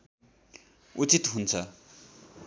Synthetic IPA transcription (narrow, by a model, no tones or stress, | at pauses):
ut͡sit̪ɦunt͡sʰə